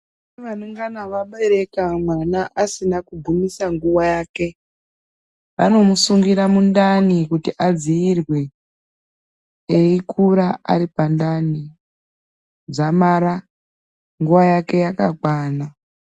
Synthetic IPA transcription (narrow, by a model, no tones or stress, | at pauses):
eʋanuŋɡanaʋaɓeɾe̞kamwanaʔasinakubʱumisaŋɡuʋajaːke̞ | ʋano̞musuŋɡiɾamundanikutiʔad͡ziːrwe | eikʰuɾaa̰ɾipandani | d͡zamaːɾa | ŋɡuʋajake̞jakakwaːna